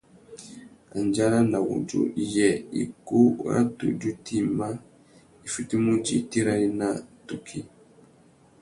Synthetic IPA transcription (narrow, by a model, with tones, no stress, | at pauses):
a˨nd͡ʒa˦ɾa˦na˨wṵ˨d͡ʒṵ˦˨ʔi˦jɛ˨ḭ˨ku˦a̰˦tṵ˨d͡ʒu˦ti˦ma˦ | i˨fi˨ti˦mu˦d͡ʒḭ˨ti˦ɾa˦ɾi˦na˦tu˨kʰi˦